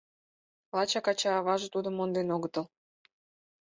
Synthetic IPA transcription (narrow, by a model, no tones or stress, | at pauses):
lɑt͡ɕɑkɑt͡ɕɑːβɑʒɤ̆t̪ud̪ə̆mond̪enoɣət̪ə̆l